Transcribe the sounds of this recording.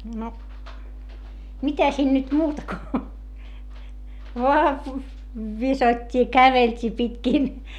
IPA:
no mitæ siːn nyt muːtɑ ko ʋoɑˑ ʋisotʲːi jɑ kæʋeltʲiː pitkiˑn

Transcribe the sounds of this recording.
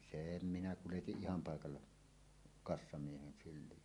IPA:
seˑm minæ kuletiʔ ʔihɑm pɑˑekɑlːɑ kɑsːɑmiehen sylˑiː

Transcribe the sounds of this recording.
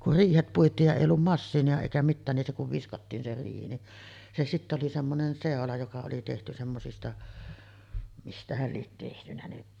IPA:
kur riːhet puitˑiːj jɑ eˑij olːum mɑsːiːniɑ eˑikæ mitːæːn nin se kuʋ ʋiskɑtːiːn se riːhi ni se sitːæ oli semːonen seˑolɑ jokɑ oli tehty semːosistɑ mistæhæl liet tehtynæ ni

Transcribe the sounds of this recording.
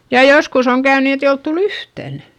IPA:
jɑ joskus oŋ kæyn niː et ei olt tul yhtæn

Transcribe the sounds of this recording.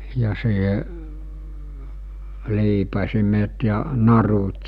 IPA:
jɑ siːhe liːpɑsimet jɑ nɑrut

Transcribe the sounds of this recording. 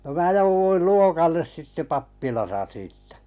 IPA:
no mæː jouʋuil luokɑlːes sitːe pɑpːilɑsɑ siːtːæ̥

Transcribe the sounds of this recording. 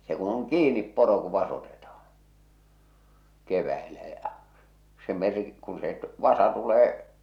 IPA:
se ku oŋ kiːnip poro ku ʋɑsotetɑhɑ̥n̥ keʋæelæ jɑ̟ se mer kũː se ʋɑsɑ tuleː

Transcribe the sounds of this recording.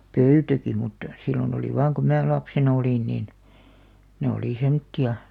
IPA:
pøytæki mutːɑ silion oli ʋɑːŋ ku mæ lɑpsenɑ̆ oliˑn nin ne oliˑ semtːiɑ

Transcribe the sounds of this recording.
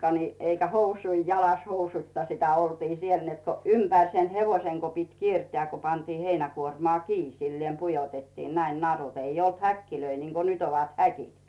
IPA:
ni eikæ housui jɑlɑs housuĭtːɑ sitæ oltiː siel net ko ympæˑr sen heʋoiseŋ ko pit kierteæˑ ko pɑntiː heinækuormŏɑˑ kiː silːieˑm pujotetːiːn næin nɑrut ei olt hækːiløi niŋko nyt oʋɑt hækit

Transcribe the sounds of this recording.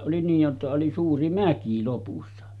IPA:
ʔoli niːj jotːɑ oli suːri mæki lopusːɑ

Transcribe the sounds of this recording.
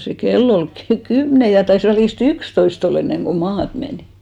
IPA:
se kelː ol ky kymne jɑ tɑis ʋælist ykstoist olː enːeŋɡ̊o mɑːt meniˑ

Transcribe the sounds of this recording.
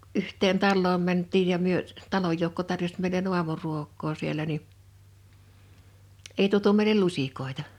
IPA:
yhteːn tɑlːoːm mæntˑiːj jɑ myø tɑloj joukːo tɑrjosʲ meˑilen uɑmuruokˑoː siel ni ei tuotu meilel lusʲikoˑitɑ

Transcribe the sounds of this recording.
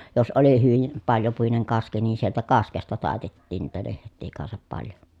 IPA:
jos oli hyʋim pɑljopuineŋ kɑski ni sieltæ kɑskestɑ tɑˑetetːiːn niːtæ lehtˑiː kɑnsɑp pɑljo

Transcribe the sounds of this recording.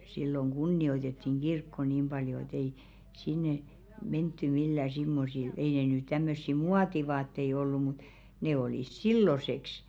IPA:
silːoŋ ɡ̊unːioitetːiŋ ɡ̊irkːo niːm b̥ɑljo et ei sinːe mentːy milːæˑ simːosil ei ne ny tæmːøsːi muɑtiʋɑːtːei olːu mut ne oliˑs silːoseks

